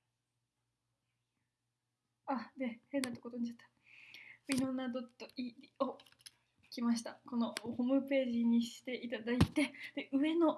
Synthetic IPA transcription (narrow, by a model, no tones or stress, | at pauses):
ad̪e̞hẽ̞nːat̪ːokot̪oɲ̟iat̪ːḁ | mʲino̞nad̪o̞t̪ːoʔid̪ʲio | kʲimaɕ̬i̥t̪ako̞no̞ho̞ːmɯ̟pe̞ːʑiɲ̟iɕi̥t̪e̞ʔit̪ad̪ait̪e̞d̪̥e̞ʔɯ̟e̞no̞